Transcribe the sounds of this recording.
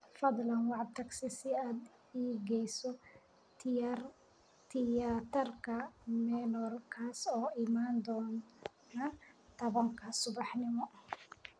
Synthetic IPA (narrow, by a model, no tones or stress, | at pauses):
fɐd̪lɐnwɑʕt̪ʰɐɡsɪsɪaːd̪ | iːɡɛjsɔ | t̪ɪat̪ʰɐrkʰɐmɛːnɔrkʰaːsɔːɪmaːnd̪ɔːn | nɐt̪ʰɐβɐŋkʰɐsʊβɑħnɪmɔ